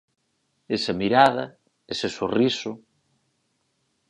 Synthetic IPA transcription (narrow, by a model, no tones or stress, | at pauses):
esɐmiɾaðɐ | esesorisʊ